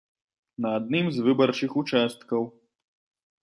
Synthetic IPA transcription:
nɐad̪̚nɨmzvɨbɐrt͡ʂɨxut͡ʂast̪kɐw

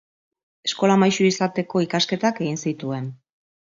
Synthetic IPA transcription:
e̞sko̞lamajʃuisat̪e̞ko̞ikaske̞t̪ake̞ɣinsit̪ue̞n

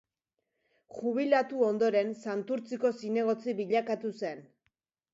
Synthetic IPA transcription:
xuβ̞ilat̪uo̞nd̪o̞ɾe̞nsant̪uɾt͡siko̞sine̞ɣ̞o̞t͡siβiʎakat̪use̞n

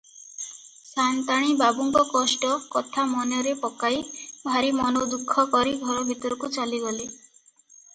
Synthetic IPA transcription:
sant̪aɽ̃ibabuŋkɔkɔsʈɔkɔt̪ʰamɔnjɔɾepɔkajbʱaɾimɔnod̪ukʰːɔkɔɾiɡʱɔɾɔbʱit̪ɔɾɔkut͡ʃaliɡɔli

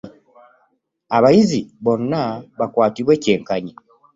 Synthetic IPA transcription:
aβajiziβo̞nːaβakwaːtiβwe̞ːce̞ːŋkaɲi

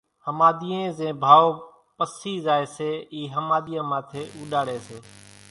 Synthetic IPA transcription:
həmaːd̪iːẽːzẽːbʱaːoː | pəsiːzaːeːseːiːɦəmaːd̪ijãːmãːt̪ʰeːʔuːɗaːɽeːseː

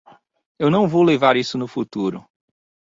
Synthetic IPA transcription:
ewnɐ̃w̃vowlevaɾisʊnʊfut̪uɾʊ

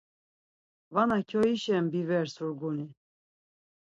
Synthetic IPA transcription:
vanakʰɔiʃɛmbivɛɾsuɾɡuni

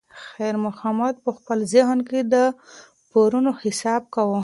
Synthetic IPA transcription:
xajɾmʊxɑmad̪̚pəxpəlzɪɦnked̪ə | poɾunohɪsɑb̚kawə

